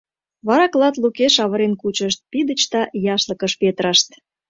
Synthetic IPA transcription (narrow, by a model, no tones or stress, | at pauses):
βɑɾɑklɑt̪lukeʃɑβəɾenkut͡ɕəʃt̪̚pid̪ət͡ɕt̪ɑjɑʃlə̆kəʃpet̪ɾɑʃt̪